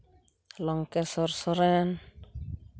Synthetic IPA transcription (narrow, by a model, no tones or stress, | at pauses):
lɔŋkɛsɔɾsɔɾɛn